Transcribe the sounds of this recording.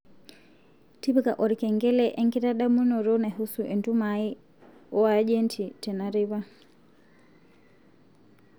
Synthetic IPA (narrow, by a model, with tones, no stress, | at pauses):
ti˦bika˨ʔɔ˨ɾikɛ˨ŋɡɛ˦lɛʔɛ˦ŋki˦ɾa˦ɗamu˦nɔ˨ɾɔna˨ɦusuʔɛ˨ndumai | ɔ˦ad͡ʒɛntʰitɛ˨naɾiβa˦